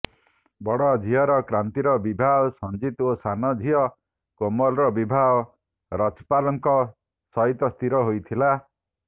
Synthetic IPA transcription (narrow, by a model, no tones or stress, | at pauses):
bɔɽɔd͡ʒʱijɔɾɔkɾant̪iɾɔbibʱaɔsɔnd͡ʒit̪osanɔd͡ʒʱijɔ | komɔlɾɔbibʱaɔ | ɾat͡ʃpalɔŋkɔ | sɔɦit̪ɔst̪iɾɔɦojt̪ʰila